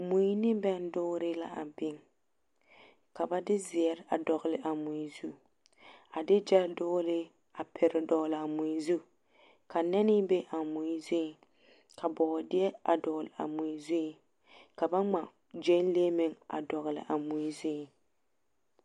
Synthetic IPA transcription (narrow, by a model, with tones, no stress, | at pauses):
mu˨ji˦nɪ˦bɛ˦n˦dʊː˦ɾɪ˦la̰˨ʔa̰˨bɪ˦ŋ | ka˨ba˦dɪ˦zɪ˨ɛ˨ɾa˨dɔ˨ɣlɪ˨ʔa˨mʊ˨i˨zu˦ | a˨dɪ˦d͡ʒɛ˦dʊː˦ɾɪ˦ | a˨pʰɪ˨ɾɪ˨dɔ˨ɣlɪ˨a˨mʊ˨i˨zu˦ | kʰa˨nɛ˦nɪ˦be˦ʔa˨mʊ˨i˦zi˦˨ | kʰa˨bɔ˨dɪ˦ɛ˦a˨dɔ˨ɣlɪ˨a̰˨mʊ˨i˨zi˦ | ka˨ba˦ŋ͡ma˨ | d͡ʒe˦n˦le˦mɪ˨ŋa̰˨dɔ˨ɣɪ˨lɪ̰˨ʔa˨mʊ˨i˦zi˦˨